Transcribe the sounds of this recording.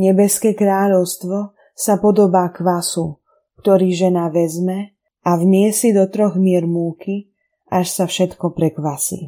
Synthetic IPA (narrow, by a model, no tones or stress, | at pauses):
ɲɛbɛskɛːkɾaːʎɔʊst̪ʋɔ | sapɔd̪ɔbaːkʋasu | kt̪ɔɾiːʒɛnaʋɛzmɛ | avmɪɛsid̪ɔt̪ɾɔɣmɪɛɾmuːkʰi | ʔaʃsafʃɛt̪kɔpɾɛkʋasḭː